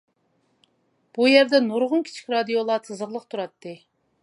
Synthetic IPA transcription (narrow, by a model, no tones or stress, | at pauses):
b̥ujɛɾd̪ɛnoɾʁʊnkʲʰi̥t͡ʃʰi̥kʲɾɑd̪ijolˠɑt̪ʰɨzəɾlˠəqt̪ʰuɾɑt̪ːɨ